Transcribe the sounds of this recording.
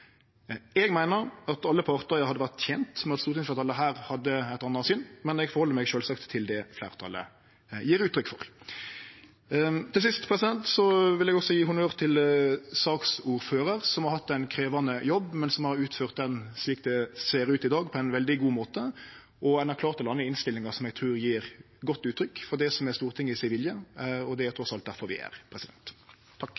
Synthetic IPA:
ɛɡmæɪnəɾɑt̪ɑlːəpʰɑːʁt̪əɾjæɪhɑd̪ːəʋæʁt̪çɛnt̪mɛnɑt̪st̪uːt̪ɪnfɑt̪ɑləɦæːɾhɑd̪ːəæɪt̪ɑnːɑsʏnːmɛnɛɡfɔɾʁhɔlːəɾmɛɡʃøːlsɑkt̪ʰːɪld̪ɛflæ̰ːʁt̪ʰɑ̰lə̰ | jiːɾʉːt̪ʰːɾʏkːfɔ̰ʁ | t̪ʰɪls̬ɪst̪pʰʁɛsɪd̪ɛnt̪sɔʋɪlɛɡɔksɔjiːɦʊmøːʁt̪ʰɪlsɑːksuːɾføːɾəʁsɔmhɑɾhɑt̪ːæɪnkʰɾeːʋɑnəjɔbːmɛnsɔmhɑɾʉːt̪føːʁt̪̚d̪ɛnsliːk̚d̪ɛseːɾʉːt̪ɪd̪ɑːɡpʰɔɛɪnʋɛld̪ɪɡuːmoːt̪ə | ʔɔɛɪnæɾkʰlɑːʁt̪ɔlɑnːəɪnst̪ɪlːɪŋɑsɔmɛɡ̚t̪ʰɾʉːɾjiːɾ | ɡɔt̪ːʉːt̪ʰːɾʏkːfɔɾd̪ɛsɔmɛst̪uːʁt̪ʰɪŋːəɪsæɪʋɪljəɔd̪ɛæt̪ʰɾɔsɑlt̪̚d̪æɾfɔɾʋɪ̰æ̰ʁpʰɾɛsɪd̪ɛ̰nt̪ʰː | ɑkː

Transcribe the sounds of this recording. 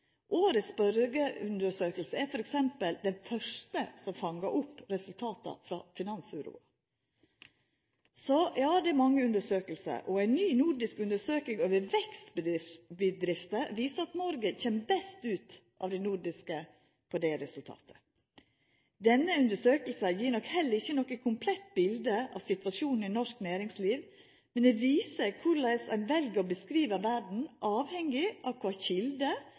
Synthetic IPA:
ʔoːɾəsbœɾɡəʉnd̪əʂøːkəlsəæɾfɔɾɛksɛmpəld̪ɛnfœʂtəsɔmfɑŋːəʔʊpːɾɛsʉlt̪ʰɑːt̪ɑ̰fɾɑ̰ːfɪnɑnsʉɾṵːɑ̰ | sɔjɑːd̪ɛæɾmɑŋːəʉnd̪əʂøːkəlsə̰ɾʔɔæɪnnyːnuɖɪskʉnd̪əʂøːkɪŋoːʋəɾʋɛkst̪bəbəd̪ɾɪft̪əʋiːsəɑt̪nɔɾɡəçɛmːbɛst̪ʉːt̪ʔɑ̰ʋd̪ɛɪnuɖɪskə | pʰɔd̪ɛɾɛsʉlt̪ʰɑ̰ːt̪ʰə̥ | d̪ɛnːəʉnd̪əʂøːkəl̩səjiːɾnɔkhɛlːəɾɪçːənɔkːəkʰʊmpʰlɛt̪ːbɪld̪əʔɑ̰ʋsɪt̪ʋɑʂuːnn̩ɪnɔʂknæːɾɪŋsliːʋ | mɛnd̪ɛʋiːsəkʰʊɾlæɪsæ̰ɪnʋɛlɡəɾɔbəskɾiːʋəʋæɖɳ̩ʔɑːʋhɛŋːɪʔɑʋkʰʋɑːçɪld̪ə

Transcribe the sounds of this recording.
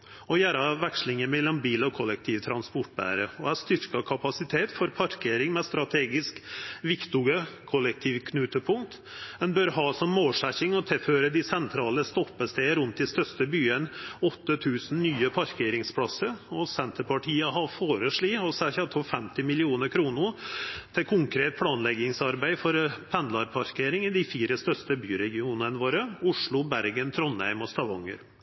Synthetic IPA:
ɔjæːɾɑʋækʂlɪŋəmɛlːɔmbiːlɔkʰɔlːɛk̚t̪ʰiːʋt̪ʰɾɑnspɔʈ̚ːbæ̰ːɾəɔæst̪ʏɾkɑkʰɑpɑsɪt̪ʰeːt̪fɔɾpʰɑɾkʰeːɾɪŋmɛst̪ɾɑt̪ʰeːɡɪskʋɪkt̪ʊɡəkʰɔlːɛk̚t̪ʰiːʋkʰnʉːt̪əpʰʊŋt̪ | ɛnbœɾɦɑːsɔmːoːlʂæçɪŋɔt̪ʰɪlføːɾəd̪ɪsɛnt̪ʰɾɑːləst̪ɔpːəst̪eːəɾʉnt̪ɪst̪œst̪əbyːənɔt̪ːət̪ʰʉːsn̩nyːəpʰɑɾkʰeːɾɪŋspʰɽɑsəɾɔsɛnt̪əɾpɑʈʰiːəɦɑfoːɾəʂɭiːɔsɛçɑt̪ʰɔlfɛmt̪ɪmɪlɪuːnəɾkʰɾuːnʊt̪ʰɪkʰʊŋkʰɾeːt̪̚pʰlɑːnlɛɡɪŋsɑɾbæɪfɔɾpʰɛnlɑɾpʰɑɾkʰeːɾɪŋɪd̪ɪfiːɾəst̪œʂt̪əbyːɾɛɡɪuːnənəʋoːɾəʊʂɭʊbæɾɡənt̪ʰɾɔnæ̰ɪmɔst̪ɑʋɔ̰ŋːə̰ɾ

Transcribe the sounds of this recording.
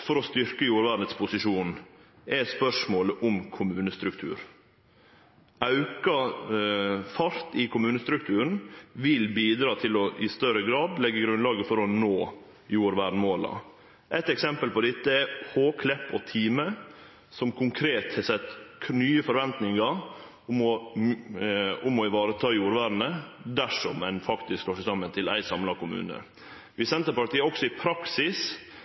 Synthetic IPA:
fɔɾɔst̪ʏɾkəjuːɾʋæːɾnət̪spʰʊsɪʂuːn | ʔɛspœʂmoːləʔʊmkʰʊmʉːnəst̪ɾʉk̚t̪ʰʉ̰ːɾ | ɑʉkɑ | fɑɾt̪ɪkʰʊmʉːnəst̪ɾʉk̚t̪ʰʉːɾn̩ʋɪlbiːd̪ɾɑːt̪ʰɪlɔʔɪst̪œɾəɡɾɑːd̪lɛɡːəɡɾʉnlɑːɡəfɔɾɔnoː | juːɾʋæːɖ̪moːlɑ̰ | ʔɛt̪ɛksɛmpəlpɔd̪ɪt̪ːəæhoːkʰlɛpːɔt̪ʰiːmə | sɔmkʰʊŋkʰɾeːt̪hɛsɛt̪ːkʰnyːəfɔɾʋɛnt̪nɪŋɑɾ | ʊmɔ | ʊmɔɪʋɑːɾət̪ʰɑːjuːɾʋæːɾnəd̪æʂɔmɛnfɑkt̪ɪskhɑʂɪsɑmːənt̪ʰɪlæ̰ɪsɑmlɑkʊmʉ̰ːnə̰ | ʋɪsɛnt̪əɾpɑʈ̪ʰiːəɔksɔɪpʰɾɑksɪs

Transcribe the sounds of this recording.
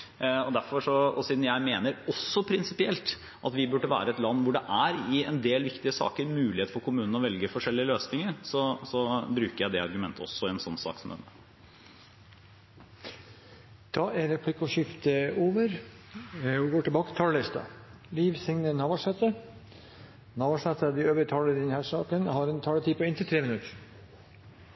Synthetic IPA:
ɔd̪æɾfɔʂɔɔsiːd̪n̩jæɪmeːnəɾɔsːɔpʰɾɪnsɪpɪɛlt̪ | ʔɑt̪ʋɪbʉɖːəʋæ̰ːɾəɛt̪lɑnːʋʊɖɛʔæɾɪɛnd̪eːlʋɪkt̪ɪəsɑ̰ːkəɾmʉːlɪheːt̪fɔɾkʰʊmʉːnn̩ɔʋɛlɡəfɔʂɛlːɪəløːsnɪŋəɾsɔsɔbɾʉːkəɾjæɪd̪ɛɑɾɡʉmɛnt̪ʰəɔ̰sːɔɛɛnsɔnːsɑ̰ːksɔmd̪ɛ̰nə | t̪ʰɑːeɾɛpʰlɪkʊʃɪft̪əoːʋəɾ | ɪɡoːʈʰlbɑːkə̥t̪ʰɑːlɪst̪ɑ̰ | liːʋsɪŋnənɑːʋɑʂɛt̪ə | nɑːʋɑʂɛt̪əd̪ɪøːʋəɾət̪ʰɑːləɾd̪ɛnhæːʂɑːkənhɑɾɛnt̪ʰɑːlət̪ʰiːpɔɪnt̪ʰɪt̪ʰɾeːmɪnʉt̪əɾ

